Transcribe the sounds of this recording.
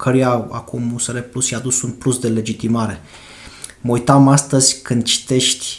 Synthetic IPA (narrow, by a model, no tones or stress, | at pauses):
kʰəɾujaa̰kumuseɾeplusjad̪usunplusd̪e̞le̞d͡ʒit̪imaɾe̞ | məujt̪amast̪əzʲkɨnd̪̚t͡ʃi̥t̪e̞ʃt̪ʲ